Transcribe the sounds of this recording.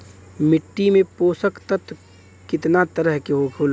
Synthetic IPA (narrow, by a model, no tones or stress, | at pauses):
mɪʈːimẽpoːsəkt̪ət̪ | kɪt̪nat̪əɾəɦkeɦokʰuːl